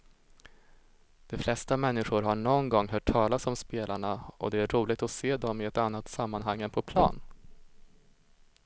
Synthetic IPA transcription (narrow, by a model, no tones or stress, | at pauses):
d̪̥ɔflɛst̪amɛnːɪɧʊɾɦaɳɔnɡɔŋːɦœːʈʰːɑːlasɔmspeːlaɳaɔ̰d̪ɛæɾɾuːlɪɡ̚t̪ɔseːd̪ɔmɪɛt̪anːat̪samːanɦaŋːənpʰɔpʰlɑ̰ːn